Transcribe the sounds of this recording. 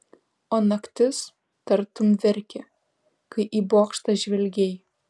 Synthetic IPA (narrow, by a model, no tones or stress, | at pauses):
oːnɐkt̪ʲɪs | t̪ɐɾt̪ʊmʋʲɛɾʲkʲɛ | kɐɪʔiːboːkʃt̪ɐʒʲʋʲɛlʲɡʲej